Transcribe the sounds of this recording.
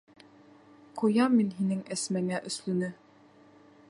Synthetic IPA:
qujɑmːinɦinɘŋæsmæŋæʔɵ̆slɵ̆nɘ

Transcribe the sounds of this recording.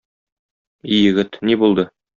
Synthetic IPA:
ijɘ̆ɡɘt̪nibulˠd̪ɤ

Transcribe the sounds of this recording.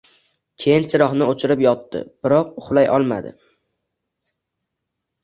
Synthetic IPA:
kʲʰejɪnt͡ʃʰɪɾɒχnɪot͡ʃʰɪɾɪpjɒt̪ːɪ̰b̥ɪɾɒq̚ʊχlˠajʔɒlˠma̰d̪ɪ̰

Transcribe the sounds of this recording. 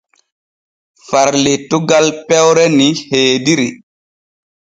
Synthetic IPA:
faɾletuɡalpɛwɾɛniheːdiɾi

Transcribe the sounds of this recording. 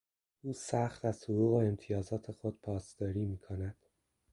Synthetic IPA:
ʔuːsæxt̪æz̥soɾuːɣoemt̪ʰijɒːzɒːt̪ʰe̞xod̪̥̚pʰɒːsd̪ɒːɾiːmiːkʰonæd̪̥

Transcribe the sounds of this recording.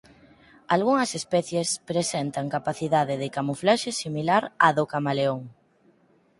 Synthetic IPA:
alɣuŋɐsespɛθjespɾesɛnt̪aŋkapaθiðaðeðɪkamuflaʃesimilaɾaðokamaleoŋ

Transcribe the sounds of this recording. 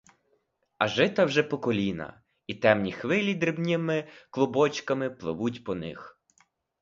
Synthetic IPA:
ɐʒɪt̪ɐwʒɛpɔkɔlʲinɐ̰ | it̪ɛmnʲixʋɪlʲid̪ɾɪbnʲɪmɪklˠʊbɔt͡ʃkɐmɪplˠɪ̰ʋutʲpɔnɪ̰x

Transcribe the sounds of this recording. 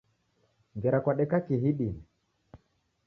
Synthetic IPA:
ŋɡɛɾakwaɗɛkakiɦiɗini

